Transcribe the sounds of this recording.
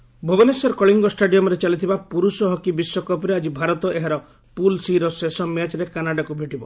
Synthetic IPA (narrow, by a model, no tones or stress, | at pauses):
bʱɔbɔnesɔɾkɔɭiŋɡɔsʈaɖijɔmɔɾet͡ʃalit̪ʰibapuɾusɔɦɔkibiswɔkɔpɔɾead͡ʒibʱaɾɔt̪ɔeɦaɾɔ | pulsiɾɔsesɔmjat͡ʃɔɾekanaɖakubʱeʈibɔ